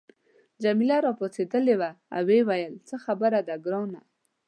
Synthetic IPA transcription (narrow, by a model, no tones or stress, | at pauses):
d͡ʒamilaɾɑposed̪əlewaa̰wewajəlt͡səxabəɾad̪aɡɾɑwna̰